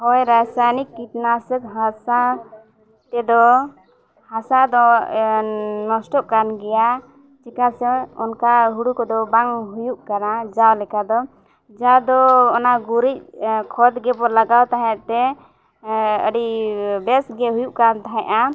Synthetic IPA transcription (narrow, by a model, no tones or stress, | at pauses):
hɔjɾasajnikːit̪nasək̚ɦasa | t̪ɛd̪ɔ | hasad̪ɔ | nɔsʈɔʔkanɡɛja | t͡ʃɛkasɛɔnkaɦuɽukɔd̪ɔbaŋɦujuʔkanad͡ʒawlɛkad̪ɔ | d͡ʒad̪ɔːnaɡuɾic̚kʰɔd̪ɡɛpɔlaɡawt̪aɦɛ̃ʔt̪ɛ | ə̰ɖibɛsɡɛɦujuʔkant̪aɦɛ̃ʔa